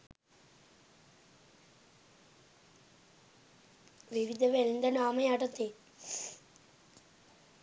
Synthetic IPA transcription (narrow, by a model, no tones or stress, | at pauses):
ʋiʋid̪ʱɐʋelind̪ʱɐnaːmɐjaːʈɐt̪ːe